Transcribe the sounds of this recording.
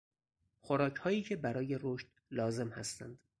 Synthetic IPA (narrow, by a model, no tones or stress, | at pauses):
xoɾɒːcʰhɒːjiːcʰe̞bæɾɒːje̞ɾoʃt̪ | lɒːze̞mhæ̰st̪æ̰nd̪̥